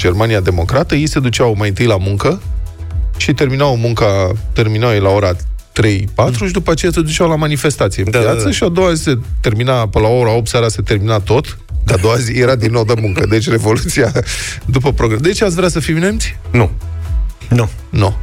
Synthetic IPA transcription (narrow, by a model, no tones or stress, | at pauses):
d͡ʒe̞rmaniad̪e̞mo̞kɾat̪əjejse̞d̪ut͡ʃawmajɨnt̪ɨjlamuŋkə | ʃit̪e̞rminawmuŋkat̪e̞rminawjelao̞ɾat̪ɾe̞jpat̪ɾuʃid̪upəat͡ʃe̞jase̞d̪ut͡ʃawlamanife̞st̪at̪sijempjat̪səʃiad̪o̞wazise̞t̪e̞rminapəlao̞ɾaop̚t̪saɾase̞t̪e̞rminat̪o̞t̪ | k̪ad̪o̞wazijeɾad̪inːowd̪emuŋkəd̪e̞t͡ʃʲre̞vo̞lut̪siad̪upəpɾoɡɾed̪e̞t͡ʃeat̪svɾʲeasəfiwinemt̪sʲnu | nu | nu